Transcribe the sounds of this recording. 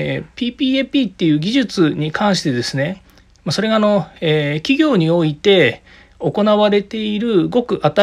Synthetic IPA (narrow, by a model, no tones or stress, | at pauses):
pʲiːpʲiːepʲiːt̪ːe̞jɯ̟ːɡʲiʑɨt͡sɨɲ̟ikʰãɰ̃ɕi̥t̪e̞d̪e̞sɨne̞ | maso̞ɾe̞ɡaːno̞eːkʲiɡʲo̞ːɲ̟io̞it̪e̞ | o̞ko̞naβaɾe̞t̪e̞iɾɯ̟ɡo̞kɯ̟ʔat̪a